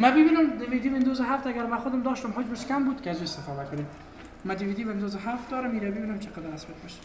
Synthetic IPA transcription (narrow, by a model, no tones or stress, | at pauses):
mabɪbinʊmd̪ɪmid̪ibɪnd̪ozɪɦaft̪aɡaɾmaxʊd̪ɪmd̪ɔʃt̪ʊmɦod͡ʒbɪʃkambud̪kɪazuɪst̪ɪfɔd̪akʊnem | mad̪ɪwid̪iβɪnd̪ozɪɦaft̪̚d̪ɔɾʊmiɾabɪbinʊmt͡ʃʰɪ̥qad̪aɾasbat̪̚beʃḁ